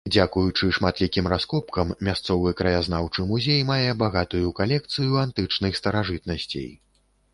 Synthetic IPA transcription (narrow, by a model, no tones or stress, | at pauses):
d͡zʲakujut͡ʂɨʂmat̪lʲikʲimraskɔpkɐmːʲast̪sɔvɨkɾɐjaznawt͡ʂɨmuzʲejmajɛbaɣat̪ujukalʲɛk̚t̪sɨjuant̪ɨt͡ʂnɨxst̪ɐɾaʐɨt̪nɐsʲt͡sʲḛj